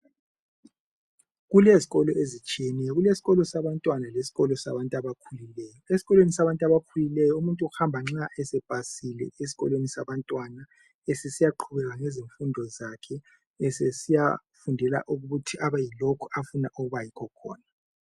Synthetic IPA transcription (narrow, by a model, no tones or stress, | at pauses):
ɣuleziɣɔlɔezit͡ʃʼiɛnɛjɔɣulesi̥ɣɔlɔsaβantʼwanalesi̥ɣɔlɔsa̰βantʼaβakʰulilɛːjɔesiɣɔlwenisaβantʼaβakʰulilɛjɔumuntʼuuhambʱaŋ͡ǁaʔɛsɛb̥ʱasilɛ̰esi̥ɣɔ̰lwenisaβantʼwana | ɛsesijaǃʰuβɛɣaŋɛziɱfundʱɔzakʰɛ | ɛsesija | fundʱɛla̰ʔuɣuɣutʰiʔaβajilokʰɔafuna̰ʔuɣuβajikʰɔkʰɔ̰ːna